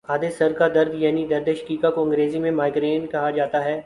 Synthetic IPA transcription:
aːd̪esɐɾkad̪ɐɾd̪jaːnid̪ɐɾd̪eʃə̥kiːkakoɐ̃ŋɡɾeːzimẽmaːɪɡɾeːnkɐɦad͡ʒaːt̪aɦɛː

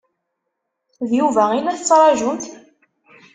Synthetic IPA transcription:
ðjuvæinæθət͡sːɾˤɑʒunt̪

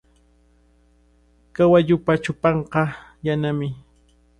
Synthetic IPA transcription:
kawaʎʊpat͡ʃʊpɑɴqɑjanamɪ

